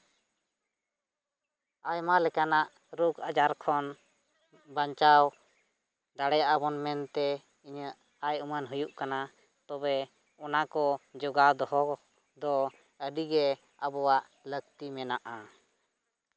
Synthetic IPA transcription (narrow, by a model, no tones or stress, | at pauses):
ajmalɛkanaʔ | ɾukad͡ʒaɾkʰɔn | baɲt͡ʃaw | d̪aɽɛjaʔabɔnmɛnt̪ɛ | iɲəʔ | ajumənɦujuʔkana | t̪ɔbɛ | ɔnakɔd͡ʒɔɡad̪ɔɦɔ | d̪ɔ | əɖiɡɛ | abɔwaʔ | ləɡt̪imɛnaʔa